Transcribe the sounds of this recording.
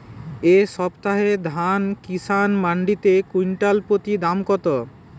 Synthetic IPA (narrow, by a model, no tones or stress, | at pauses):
eʃɔbt̪aɦed̪ʱankisanmaɳɖit̪ekujnʈalpɾot̪id̪amkɔt̪o